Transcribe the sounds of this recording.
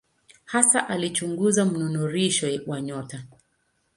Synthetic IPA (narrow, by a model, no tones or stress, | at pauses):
hasaʔalit͡ʃuŋɡuzam̩nunuɾiʃɔwaɲɔta